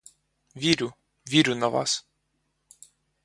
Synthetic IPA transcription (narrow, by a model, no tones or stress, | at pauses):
ʋʲiɾʲʊ | ʋʲiɾʲʊnɐʋɑ̰s